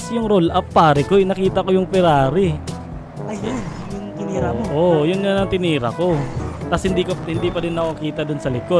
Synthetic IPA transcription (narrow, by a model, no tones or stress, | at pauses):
sjʊŋɾolʔapːaːɾɛkoʔɪnɐkiːt̪ɐkojʊŋpɛɾaːɾɪ | ʔojʊnjɐnɐŋt̪ɪniːɾɐ̰ko̞t̪ɐshɪnd̪ikohɪnd̪ipɐd̪ɪnːɐkɐkiːt̪ɐd̪ʊnsɐlɪko̞d̪̚